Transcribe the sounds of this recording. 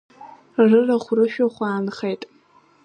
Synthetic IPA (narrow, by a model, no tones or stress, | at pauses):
rɨrɐχʷʊrɨʃᶣoχʷɑːnɨχejtʼ